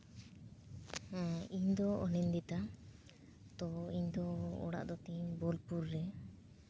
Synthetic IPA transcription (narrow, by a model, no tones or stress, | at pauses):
iɲd̪ɔɔnind̪it̪a | t̪ɔiɲd̪ɔɔ̰ɽa̰ʔd̪ɔt̪iɲbɔlpuɾːɛ